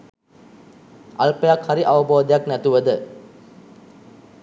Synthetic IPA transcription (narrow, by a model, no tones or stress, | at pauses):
alpəjakhaɾiʔaʋəboːd̪əjaknæt̪uʋəd̪ə